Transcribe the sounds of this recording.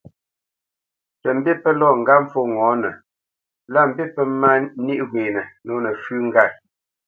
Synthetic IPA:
tə˨m̩˦be˦pə˦lɔ˦˨ŋ̩˨ɡa˦m̩˦fo˦˨ŋɔː˨˦nə˨ | la˦m̩˨bi˦pə˦ma˦ni˦ʔɡweː˨nə˨no˨˦nə˨fʉ˦ŋ̩˦ɡa˦˨

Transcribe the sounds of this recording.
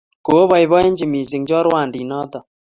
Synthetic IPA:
ko˨o˦βɔ˦˨jβɔ˦e˦ɲd͡ʒi˨mi˨z̬i˨ŋd͡ʒɔ˦ɾwa˦˨ndi˨nɔ˦t̪ɔ˨

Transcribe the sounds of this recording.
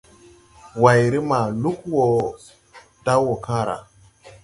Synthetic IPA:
wa˨jɾi˦ma˨lu˦kwo˨ | da˦wo˨kã˦ɾa̰˨

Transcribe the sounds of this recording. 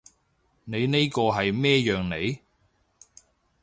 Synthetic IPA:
ne˨˧jne˥jkɔː˧ɦɐ˨jmɛː˥jœː˨ŋne˨˧j

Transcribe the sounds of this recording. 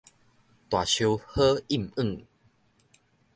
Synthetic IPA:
t̪wa˨˩ɕjo˧whə˦i˥˩˨mɨ˥˨ŋ

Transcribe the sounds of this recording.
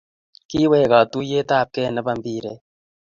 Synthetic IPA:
ki˦weː˦˨ɣa˨t̪u˦je˦t̪aː˦˨p̚ke˦˨nə˦ba˦˨mbiː˦˨ɾe˨

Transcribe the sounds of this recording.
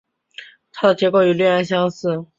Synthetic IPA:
t̪ʰa˥d̪ə˨t͡ɕjɛ˧˥ko˥˩ʊy˨˩lɥɛ˥˩a˧˥nɕjɑ˥ŋsɹ̩˥˩

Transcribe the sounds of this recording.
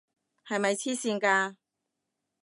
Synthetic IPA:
hɐ˨jmɐ˨jt͡sʰiː˥siː˧nkaː˧

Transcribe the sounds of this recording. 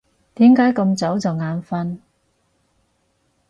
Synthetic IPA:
t̪iː˨˥mkaː˨˥jkɐ˧mt͡sɐ˨˥wt͡sɐ˨wŋaː˨˧nfɐ˥n

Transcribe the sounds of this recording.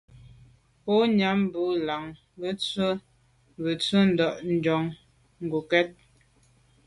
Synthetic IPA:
pɔ˦ɲa˨˦m˦bu˨˦la˨ŋ | bə˦t͡swə˦ | bə˨t͡sə˦n̩˦˨dɔ˨ʔn̩˨d͡ʒɔ˨ŋ | ŋ̩˨ɡu˨kɛ˦t̚

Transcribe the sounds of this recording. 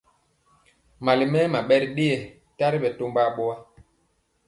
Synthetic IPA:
ma˨li˨mɛ˦ma˨ɓɛ˦ɾi˦ɗe˦e˨ | ta˦ɾi˦ɓɛ˨to˦mba˦˨ɓo˦a˦

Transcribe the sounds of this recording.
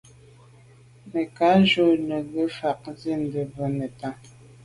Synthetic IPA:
me˨ka˨˦ʒo˦˨ne˨ɣə˦fa˨k̚zi˦˨n̩˨də˨bə˨˦ne˨ta˦˨

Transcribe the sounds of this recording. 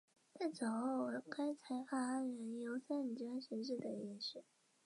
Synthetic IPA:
t͡sa˥˩t͡so˨˩xo˥˩ʊ˧˥ka˥ɪt͡sʰa˧˥ɪxa˥˩a˥nɻə˧˥njo˧˥ʊsa˥ni˨˩t͡ɕa˥nɕɛ˧˥nʂ̬ɻ̩˥˩d̪ə˩i˧ʂɻ̩˥˩

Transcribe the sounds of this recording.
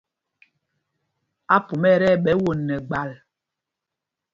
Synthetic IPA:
a˦pu˨mɛ˦˨ɾɛ˦˨ɓɛ˦wo˨nːɛ˨ɡ͡ba˦˨l

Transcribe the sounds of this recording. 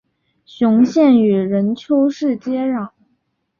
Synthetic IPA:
ɕʊ˧˥ŋɕjɛ˥˩ny˨˩ɻə˧˥nt͡ɕʰjo˥ʊʂɻ̩˥˩t͡ɕjɛ˥ɻɑ˨˩˦

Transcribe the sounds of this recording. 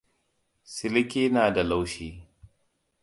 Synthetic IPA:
sɪ˦lɪ˦kʲeː˦naː˨da˨la˦wʃiː˦

